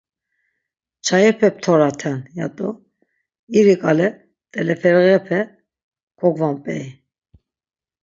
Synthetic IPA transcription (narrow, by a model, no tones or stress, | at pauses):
t͡ʃʰajɛpʰɛp̚t̪ʰɔɾat̪ʰanjat̪ʼɔ | iɾikʼalɛ | t̪ʼɛlɛfɛɾɣɛpʰɛ | kʰɔɡvampʼɛi